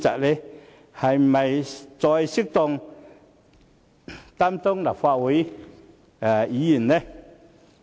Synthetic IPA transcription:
t͡sa̰˨le˦ | ha˨jmə˨jt͡sɔ˧jsi˦k̚t̪ɔ˧ŋ | t̪a˦mt̪ɔ˦ŋla˨fwa˧ʔwi˨˦ | a˨˩i˨˦ji˨˩˨nːe˦

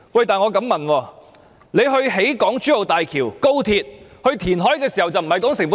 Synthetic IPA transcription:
wɐ˨jt̪aː˨nŋɔ˨˧kɐ˨˥mːɐ˨nwɔː˧˩ | ne˨˧jɦɵ˧ɥɦe˨˥jkɔː˨˥ŋt͡ʃyː˨˥o˨wt̪aː˨jkʰiː˨˩wko˥wt̪ʰiː˧t̚hɵ˧ɥt̪ʰiː˨˩nɦɔː˨˥jkɛː˧si˨˩hɐ˨wt͡sɐ˨wm̩˨˩ɐ˨jkɔː˨˥ŋsɪ˨˩ŋpu˨˥

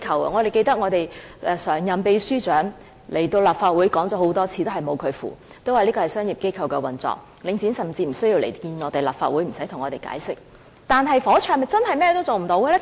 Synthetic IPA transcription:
kʰɐ˨˧wɐ̰˨ŋɔː˨˧ɾe˨jke˧jt̪ɐ˥k̚ŋɔː˨˧t̪e˨jɛː˨˧sœː˨˩ŋjɐ˨mpe˨˧jsyː˥t͡ʃœː˨˥ŋ | le˨˩jt̪o˧wlaː˨pfaː˧t̚wu˨˥jkɔː˨˥ŋt͡sɔː˨˥ɦo˨˥wt̪ɔː˥t͡sʰiː˧t̪o˥hɐ˨˩jmo˨˧wkʰɵ˨˧ɥfṵː˨˩ | t̪o˥whaː˨˩liː˥kɔː˧hɐ˨˩jsœː˥ŋjiː˨p̚ke˥jkʰɐ˨˧wkɛː˧wɐ˨˩nt͡sɔ̰ː˨k̚ | lɪ˨˧ŋt͡siː˨˥nsɐ˨mt͡siː˧m̩˨˩sɵ˥ji˧wle˨˩jkiː˧nɔː˨˧˥t̪e˨˩la̰ː˨p̚faː˧t̚wuː˨˥jm̩˨˩sɐ˨˥jt̪ʰʊ˨˩ŋɔː˨˧t̪e˨jka̰ː˨˥jsɪ˥k̚ | t̪aː˨˩nɦɐ˨jfɔː˨˥t͡ʃʰœː˨˧ŋmɐ˨˩t͡sɐ˥nhɐ˨jmɛː˥ɛ˧o˥wt͡so˨wm̩˨˩t̪o˨˧˥wɡɛ˧lɛː˥

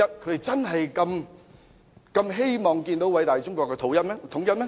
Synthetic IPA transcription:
ɐ˥t̚kʰɵ˨˧˥d̪e˨˩jt͡sɐ˥nɦɐ˨jkɐ˧m | kɐ˧mɦe˥jmɔː˨˩ŋkiː˧nt̪o˨˥wɐ˨˥jt̪aː˨jt͡sʊ˥ŋkʷɔː˧kːɛː˧t̪ʰo˨˥wjɐ˥t̚mɛ˥t̪ʰʊ˨˥ŋjɐ˥t̚mɛː˦˥

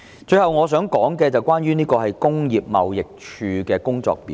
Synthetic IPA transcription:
t͡ʃɵ˧ɥhɐ˨˩wŋɔː˨˧sœː˨˥ŋkɔː˨˥ŋkɛː˧t͡sɐ˨wkʷwaː˥nɥyː˥niː˥kɔː˧hɐ˨jkʊ˥ŋjiː˨p̚mɐ̰˨wjɪ˨k̚t͡ʃʰyː˨˧kɛː˧kʊ˥ŋt͡sɔ̰ː˧k̚pḭː˨˦

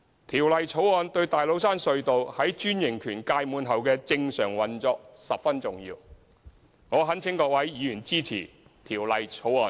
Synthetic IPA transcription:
t̪ʰiː˨˩wlɐ˨jt͡sʰo˨˥wɔː˧nt̪ɵ˧ɥt̪aː˨jlo˨˥wsaː˥nsɵ˧ɥt̪o˨whɐ˨˥jt͡ʃyː˥njɪ˨˩ŋkʰyː˨˩nkaː˧jmuː˨˧nɦɐ˨wkɛː˧t͡sɪ˧ŋsœː˨˩ŋwɐ˨nt͡sɔː˧k̚sɐ˨p̚fɐ˥nt͡sʊ˨ŋjḭː˧w | ŋɔː˨˧ɦɐ˨˥nt͡sʰɪ˨˥ŋkɔː˧k̚wɐ˨˥jːiː˨˧jyː˨˩nt͡siː˥t͡sʰḭː˨˩ | t̪ʰiː˨˩wlɐ˨jt͡sʰo˨˥wɔː˧n

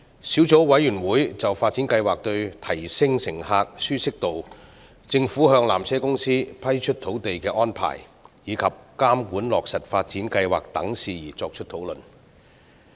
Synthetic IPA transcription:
siː˨˥wt͡so˨˥wwɐ˨˥jyː˨˩nwuː˨˥jt͡sɐ˨wfaː˧t̚t͡si˨˥nkɐ˧jwaː˨k̚t̪ɵ˧ɥt̪ʰɐ˨˩jsɪ˧ŋsɪ˨˩ŋɦaː˧k̚syː˥sɪ˥k̚t̪o˨w | t͡sɪ˧ŋfuː˨˥ɦœː˧ŋla̰ː˨˩mt͡sʰɛː˥kʊ˥ŋsiː˥pʰɐ˥jt͡ʃʰɵ˥t̚t̪ʰo˨˥wt̪e˨jkɛː˧ʔɔː˥npʰa̰ː˨˩jː | iː˨˧kʰɐ˨p̚kaː˥mkuː˨˥nlɔː˨k̚sɐ˨t̚faː˧t̚t͡siː˨˥nkɐ˧jwa̰ː˨k̚t̪ɐ̰˨˥ŋsiː˨jḭː˨˩t͡sɔː˧k̚t͡ʃʰɵ˥t̚t̪ʰo˨˥wlɵ˨n

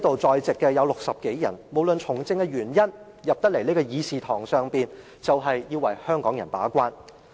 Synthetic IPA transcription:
jt̪o˨wt͡sɔː˨jt͡sɪ˨kːɛ˧jɐ˨˧wlʊ˨k̚sɐ˨p̚ke˨˥jjɐ̰˨˩nmo˨˧wlɵ˨˧nt͡ʃʰʊ˨˩ŋt͡sɪ˧ŋkɛ˧jyː˨˩njɐ˥n | jɐ˨p̚t̪ɐ˥le˨˩jneː˥kɔː˧jiː˨˧siː˨t̪ʰɔː˨˩ŋsœː˨ŋpiː˨n | t͡sɐ˨˧wɦɐ˨jːiː˧wɐ˨˩jhœː˥ŋkɔː˨˥ŋjɐ˨˩npa̰ː˨˥kʷaː˥n

